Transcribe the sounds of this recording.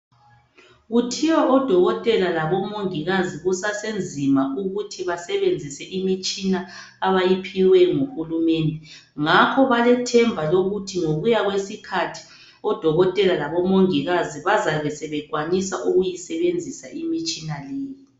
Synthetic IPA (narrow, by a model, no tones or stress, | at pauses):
ɣutʰiwɔʔɔd̥ʱɔɣɔtʼɛlalaβɔmoŋiɣaziɣusasend͡zʱimaʔuɣutʰiβasɛβend͡zʱisɛʔimit͡ʃʼinaː | βajipʰiwɛŋoxulumɛndʱɛ | ŋakʰɔβalɛtʰɛmbʱaloɣutʰiŋoɣujaɣwesikʰatʰi̥ | ɔd̥ʱɔɣɔtʼɛlalaβɔmoŋiɣaziβazaβɛsɛβɛɡ̥ʱwanisaʔuɣujisɛβend͡zʱisaʔimit͡ʃʼinaleːji